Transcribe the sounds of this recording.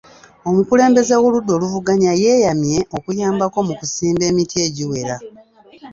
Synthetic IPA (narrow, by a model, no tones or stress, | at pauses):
o̞mukule̞ːmbe̞zewo̞ludːo̞ːluvuɡaɲaje̞ːjamje̞ʔo̞kujaːmbako̞mukusiːmbe̞ːmitie̞ɟiwe̞ɾa